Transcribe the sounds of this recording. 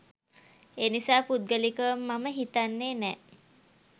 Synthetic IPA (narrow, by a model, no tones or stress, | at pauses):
eːnisaːput̪̚ɡəlikəəmːaməɦit̪anːeːnɛ